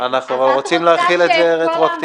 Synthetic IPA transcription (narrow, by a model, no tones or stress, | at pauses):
anaχnuʁot͡simleaχilet̪zeʁet̪ʁakt̪i